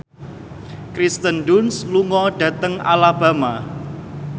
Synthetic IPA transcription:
kɾist̪ənɖʊnsluŋɔɖ̥a̤t̪əŋa̰laba̤ma

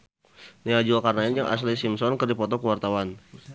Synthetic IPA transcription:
niad͡ʒuakarnaɪnd͡ʒaŋʔa̰s̬lisimsɔnkərdipɔt̪ɔkəwart̪awan

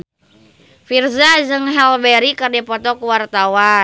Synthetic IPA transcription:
firzazəŋɦɛlbɛɾikərdipɔt̪ɔkuwart̪awa

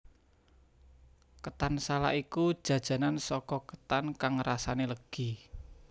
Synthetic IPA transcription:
kət̪ansala̰ʔikud̥ʒ̥ä̤d̥ʒ̥a̤nansɔkɔkə̥t̪ankaŋrasaneləɡ̥i̤

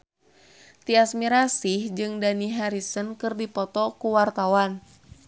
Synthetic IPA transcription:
t̪iasmiɾasihd͡ʒɨŋdaniɦaɾisənkɨrdipɔt̪ɔkuwart̪awan

